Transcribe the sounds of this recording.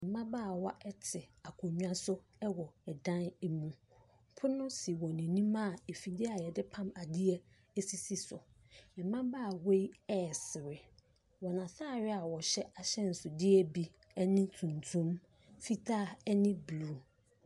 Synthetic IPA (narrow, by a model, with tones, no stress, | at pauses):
mɪ̃˨mã˦baː˦˨wa˦ʔɛ˦tʰɪ˨a˨kʰo˨ɲᶣ˦ã˦sʊ˦ | ɛ˦wɔ˨ɛ˨dã˦nɛ˦mũ˨ | pʰʊ˦nʊ̃˦si˨wɔ̃˨nɪ̃˨nĩ˦mã˦˨e˨fi˨dɪ˦a˨jɛ˨dɪ˦pʰã˦ma˨dɪ˦ɛ˦ | ɛ˦si˦si˨sʊ˨ | mɪ̃˨mã˦baː˦˨we˦i˦ɛ˦˨sɪ˨ɾɪ˨ | wɔ˨nã˨saː˦˨ɾɪ˦a˨wɔ˨ɕɛ˦a˨ɕɛ˦n̩˨sʊ˨dɪ˦ɛ˦bi˦ | ɛ˦nɪ̃˦tʰũ˨n˨tʰũ˦m | fi˦tʰaː˦˨ɛ˦nɪ̃˦bluː˦